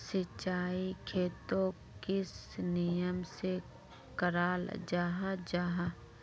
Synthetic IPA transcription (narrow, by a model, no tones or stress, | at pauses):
sɪt͡ʃaːikʰeːt̪õ | kɪsnijəmse | kəɾaːld͡ʒaːɦad͡ʒaːɦa